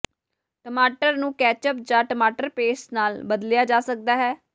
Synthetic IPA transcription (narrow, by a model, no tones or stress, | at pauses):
ʈəmaːʈəɾnũːkɛːt͡ʃəp̚d͡ʒaːʈəmaːʈəɾpeːsnaːlbəd̪lɪjaːd͡ʒaːsək̚d̪aːɦɛː